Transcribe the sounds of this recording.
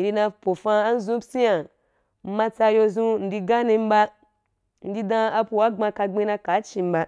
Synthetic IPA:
i˨ɾi˧nã˧po˨fã˧a˦n̩˦zũ˦psi˦ja˨ | m̩˦mã˧t͡sa˧jo˧zũ˧n̩˨di˧ɡa˦ni˧m̩˦ba˧ | n̩˨di˧dã˧a˧pu˨wa˦ɡ͡bã˧ka˧ɡ͡bẽ˦˧na˧ka˨˦t͡ʃi˧m̩˦ba˧

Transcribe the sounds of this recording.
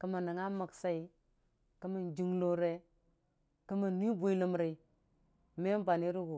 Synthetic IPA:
kə˦ma˨na˨ŋa˦ma˨ksa˦i˨ | kə˦mi˨nd͡ʒi˦ŋlo˦ɾe˦ | kə˦ma˨nːi˦bu˦i˦lə˦mɾe˨i˦ | me˦m˦ba˨ni˦ɾu˦ɡu˨

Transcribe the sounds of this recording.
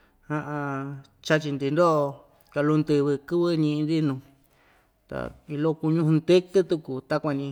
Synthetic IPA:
hã˧ʔã˧ | t͡ʃa˦t͡ʃi˧nd̪i˧nd̪o˦˧ | ka˧lu˧nd̪ɨ˧βɨ˧kɨ˦βɨ˦ɲĩ˧ʔnd̪i˦nũ˧ | t̪a̰˨˧i˧lo˦ku˧ɲũ˦˧hũ˧nd̪e˦kɨ˦t̪u˧ku˨t̪a˦kʷa˧ɲĩ˧

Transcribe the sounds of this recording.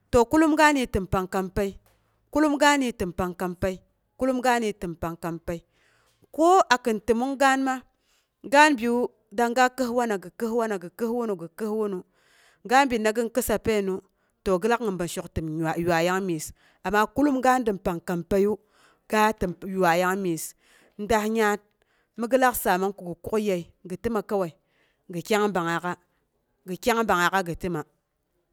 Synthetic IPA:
to˨ku˦lu˦mɡa˦ni˨tɨ˨mpa˨ŋka˨mpa˦i˦ | ku˦lu˦mɡa˦ni˨tɨ˨mpa˨ŋka˨mpa˦i˦ | ku˦lu˦mɡa˦ni˨tɨ˨mpa˨ŋka˨mpa˨i˦ | ko˦a˨kɨ˨ntɨ˨mu˦ŋɡa˦nma˦ | ɡa˦nbi˨u˦ | da˦ŋɡa˦kə˦hwa˦na˨ɡɨ˨kə˦hwa˦na˨ɡɨ˨kə˦hwu˦nu˨ɡɨ˨kə˦hwu˦nu˨ | ɡa˦nbi˨na˦ɡi˦nkɨ˦sa˨pe˦˨nu˨ | to˨ɡə˦la˦kŋɨ˨mba˨nʃo˨ktɨ˨ma˨ja˨ja˦ŋmi˨s | a˨mːa˦ku˦lu˦mɡa˦n˦dɨ˨mpa˨ŋka˨mpa˦ju˦ | ɡ̥a˦tɨ˨m˨ja˨ja˦ŋmi˨s | n̩˦da˦hɲa˦t̚ | mi˦ɡɨ˦la˦ksa˨ma˦ŋku˨ɡu˨ku˦kja˨i˨ɡɨ˨ti˦ma˨ka˦wa˨i˨ | ɡɨ˨kʲa˦ŋ˦ba˨ŋa˨ka˦ | ɡɨ˨kʲa˦ŋ˦ba˨ŋa˨ka˦ɡɨ˨tɨ˦ma˨

